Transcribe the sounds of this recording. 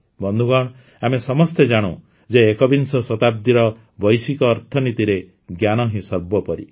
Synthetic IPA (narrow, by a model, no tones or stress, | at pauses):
bɔnd̪ʱuɡɔɽ̃ | amesɔmɔst̪ed͡ʒaɽ̃ũ | d͡ʒeːkɔbinsɔsɔt̪ab̚d̪iɾɔ | bɔjsikɔːɾt̪ʰɔnit̪iɾe | ɡjanɔɦĩsɔɾbɔpɔɾḭ